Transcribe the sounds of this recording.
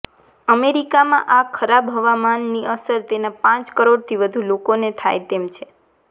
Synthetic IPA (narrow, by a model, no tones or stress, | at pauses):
əmeɾikamã̰ʔakʰəɾabɦəʋamanːiəsəɾt̪enapãt͡ʃkəɾoɽt̪ʰiʋəd̪ʱulokonet̪ʰajt̪emt͡ʃʰe